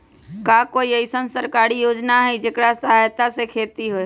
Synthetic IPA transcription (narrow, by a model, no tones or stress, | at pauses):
kaːkoːiəisənsəɾkaːɾijoːd͡ʒnaɦid͡ʒekɽasəɦajt̪asekʰeːt̪iɦoe